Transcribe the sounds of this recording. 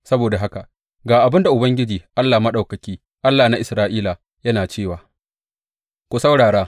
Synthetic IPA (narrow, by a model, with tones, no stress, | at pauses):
sɐ˦boː˨da˨ɦa˦ka˨ | ɡaː˨ʔa˨bɪ˦nda˨ʔʊ˨bɐ˦ŋɡʲɪ˦d͡ʒiː˨ʔa˦lːaː˨mɐ˦ɗa˨wkɐ˨kʲiː˦ | ʔa˦lːaː˨na˦ʔɪ˨sɾaː˦ʔiː˦la˨ | jɐ˦naː˨t͡ʃeː˦˨waː˨ | kʷu˨sa˦wɽaː˨ɾaː˦